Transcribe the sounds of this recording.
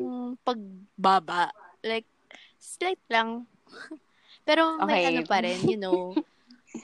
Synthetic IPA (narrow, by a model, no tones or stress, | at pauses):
ŋpɐɡ̚baːbɐʔlajk̚ | slajt̪̚lɐŋ | pɛːɾo̞mɐʔɐopɐɾɛnjʊno